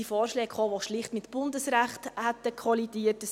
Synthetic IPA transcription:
ifoːɾʃlɛːkχoːʋoʃlɪχtmɪt̪b̥ʊnd̪əsɾæχt̪hɛt̪əkʰχɔlidiətəs

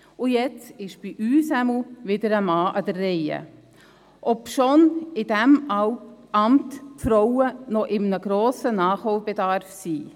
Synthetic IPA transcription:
ʊjɛt͡sɪʃb̥iʔyːsæml̩ʋɪdəɾəmɑːʔɑdərːɛjə̰ | ʔɔpʃonɪd̥æmɑwʔɑmtpfɾowənɔʔɪmnəɡ̥ɾoːsənɑːχhowb̥edɑɾfsiː

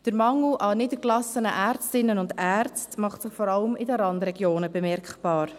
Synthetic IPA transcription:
d̥əɾmɑŋl̩ʔɑnɪdəklɑsənəʔæːrt͡stɪnːənʊndæɾt͡stmɑχtsɪχfɔɾɑləmɪdəɾɑndɾɛɡjoːnəbəmɛrkχb̥ɑːɾ

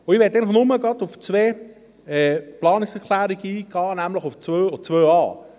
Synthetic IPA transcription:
ʊiʋɛt̪eɪnəχnʊməɡɑdʊft͡sveː | ɛplɑːnɪksɛʁkʰlæːɾiɡəiːɡ̥ɑːnæmləχʊft͡svøːɔt͡svøːɑː

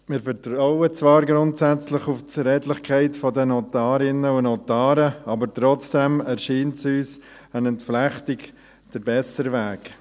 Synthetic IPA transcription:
mɪːɾfəɾtɾɔʊət͡sʋɑːɾɡɾʊntsæt͡slɪχuft͡sɾɛːtlɪχkʰaɪtfɔdɛnɔtɑːɾɪnəʊnɔtɑːɾəɑbəɾtɾɔt͡sd̥ɛmɛɾʃiːntsyːs | ænəntflæχtɪɡ | d̥əɾbɛsəɾʋæːk

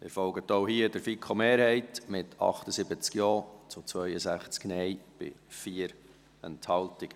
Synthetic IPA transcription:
mɪɾfɔlɡət̪oʊɦiəd̥əɾfikχomeːɾhɛɪtmɪtʰɑ̰χtəsɪbət͡skjɔːt͡sʊt͡sʋœʏəsæχt͡sknɛjb̥ɪ̰fiəɾ | ɛ̰nthɑltɪk

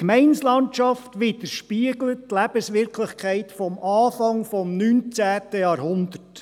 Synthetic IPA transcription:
kmɛɪnslɑnt͡ʃɑft̪ʋɪd̪əɾʃpiəɡlətːlæb̥əsʋɪɾkʰlɪχkʰχɛɪtfɔmʔɑːfɑŋfɔmnyːnt͡sæːtəjɑːɾhʊnd̪ərt

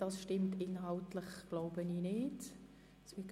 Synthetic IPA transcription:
d̥ɑsʃtɪmtɪnɦɑltlɪχɡ̥loʊbəniːnɪt | sʋɪk

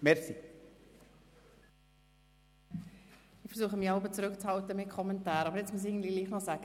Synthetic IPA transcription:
mɛɾsi | ɪχfəɾsuːχəmiɑʊbət͡sɾʏkt͡shɑltəmɪt̚kʰɔmɛntaːɾɑbəɾjɛt͡smus̬ɪːɡən̩dliliːχnɔsæɡ̥

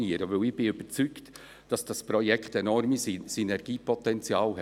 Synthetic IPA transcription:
niəɾəʋɵlɪb̥ɪyb̥ət͡sykt | d̥ɑsd̥ɑspɾɔjɛkχtɛnɔrmisisinɛɾɡ̥iːpʰɔtɛnt͡sjɑːlɦɛ

